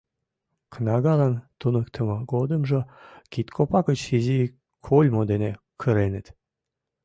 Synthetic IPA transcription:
knɑɣɑlɑnt̪unəkt̪ʰə̆mɤɡod̪əmʒɤkit̪kʰopɑkət͡ɕizi | kʰolʲmod̪ene | kʰəɾenət̪

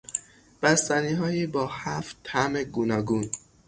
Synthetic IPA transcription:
b̥æst̪æniːɦɒːjiːbɒːhæft̪ʰːæmeɡuːnɒːɡuːn

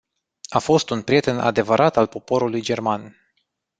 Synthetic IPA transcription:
afo̞st̪unpɾije̞t̪e̞nʔa̰d̪e̞vəɾʔat̪alpo̞po̞ɾulujd͡ʒe̞rman

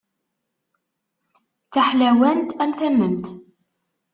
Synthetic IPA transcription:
t͡sːaħlæwænt̪ænθæmːəmt̪

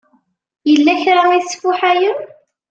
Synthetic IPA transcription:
jəlːæçɾˤæmisfʊħæjən

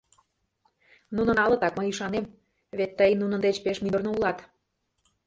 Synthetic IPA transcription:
nunə̆nɑlɤ̆t̪ɑkməjiʃɑnem | βet̪ːəjnunə̆nd̪et͡ɕpeʃmid̪ərnoulɑt̪

